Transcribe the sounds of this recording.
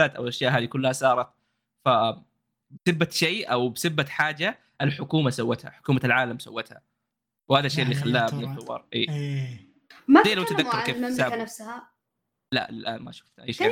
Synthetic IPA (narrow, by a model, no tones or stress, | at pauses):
aːt̪ʔa̰wʔaʃjaːʔɦaːd̪ikʊlːahasɑːɾˤɑt̪̚ | fa | bɪsɪbːat̪ʃeːʔawbɪsɪbːat̪ħaːd͡ʒa | ʔɪlħʊkuːmasawːat̪ha̰ħʊ̥kuːmalʕaːlamsawːat̪ha̰ | whaːðaʃːeːʔɪlːiːxalːaːnʊʊwɑ̰ɾˤʔḛː | madeːlamt̪ad̪akːɑɾˤkeːfsaːnafsha | la̰ʔlɪlʔa̰ːnma̰ʃʊ̥ft̪ʔa̰ːʃ